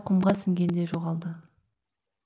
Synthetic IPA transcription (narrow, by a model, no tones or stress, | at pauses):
qʰəmʁɑsɪŋɡʲe̞nd̪eʒoʁɑlˠd̪ə